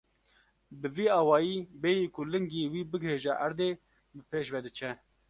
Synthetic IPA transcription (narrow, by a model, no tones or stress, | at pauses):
bɨviːɑːwɑːjiːbeːjiːkʰʊlɨŋɡiːwiːbɨɡheːʒɛʔæɾd̪eː | bɨpʰeːʃvɛd̪ɨt͡ʃʰɛ